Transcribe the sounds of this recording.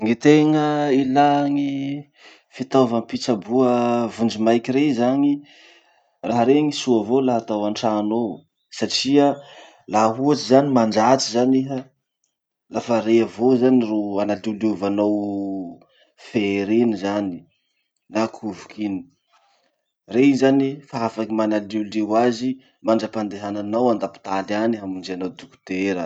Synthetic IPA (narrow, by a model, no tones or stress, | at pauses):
ŋit̪eŋəilaŋi | fit̪ovampit͡sabuəvund͡ʒimajkiɾezani | raɦaɾeŋisuəvolaɦat̪awaɳʈ͡ʂano | saʈ͡ʂia | laɦuat͡sizanimand͡ʒat͡sizaniɦə | lafəɾeavozaniroanaliluvanaw | feɾenizani | nakʰuvukʰini̥ | rezanifaafakimanaliulewazi | maɳɖ͡ʐəpand̪eɦananawand̪api̥t̪alaniɦamind͡ʒeanawd̪uku̥t̪eɾə